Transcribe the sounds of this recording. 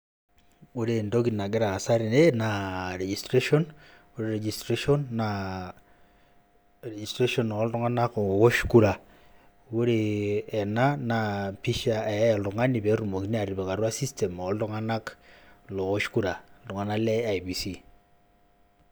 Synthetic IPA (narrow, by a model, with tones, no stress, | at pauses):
wo˦ɾe˨ndo˦ki˨na˨ɡɪ˦ɾa˨sa˦ɾi˨ne˦na˨ɾe˨d͡ʒi˨stɾe˦ʃɔ˦n | wo˦ɾe˦ɾe˨d͡ʒi˨stɾe˦ʃɔ˦nːa˨ | ɾe˨d͡ʒi˨stɾe˦ʃɔ˦˨nː˨˦ltʊ˦ŋa˦na˦ko˨wo˦ʃku˦ɾa˨ | wo˦ɾeː˨na˦na˨pi˦ʃa˨ɛ˨˦lʊ˨ŋa˦ni˨pe˨ɾu˨mo˨ki˦ni˦a˨ɾi˨pɛ˨ka˨rwa˦si˦ste˨mɔ˨˦ltʊ˦ŋa˦na˦klo˨wo˦ʃku˦ɾa˨tʊ˨ŋa˨na˦lɛ˦a˨jpi˨si˦